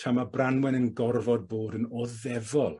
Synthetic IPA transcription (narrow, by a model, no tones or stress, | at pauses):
tʰamabranwɛnənɡɔrvɔd̚boːdənɔðɛvɔlˠ